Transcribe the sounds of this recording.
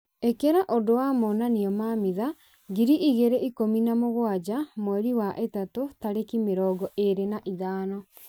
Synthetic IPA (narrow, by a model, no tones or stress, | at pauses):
ekeɾaʔodowamɔːnaniɔmamiða | ɡiɾiʔiɣeɾeʔikominamoɣwad͡ʒamwɛɾiwaʔetatotaɾekimeɾɔɡɔʔeɾenaʔiðaːnɔ